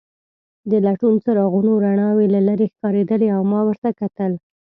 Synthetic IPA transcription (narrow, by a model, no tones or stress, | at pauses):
d̪əlaʈunt͡səɾɑɣunoɾaɳɑwelalaɾexkɑɾed̪əleawmɑwəɾt̪akat̪əl